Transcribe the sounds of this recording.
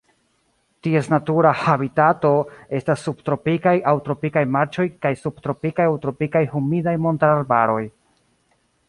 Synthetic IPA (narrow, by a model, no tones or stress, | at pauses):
tie̞snatuɾahabitato̞e̞stasːub̚tɾo̞pikajawtɾo̞pikajmaɾt͡ʃo̞jkajsub̚tɾo̞pikajawtɾo̞pikajhumidajmontaɾaɾbaɾo̞j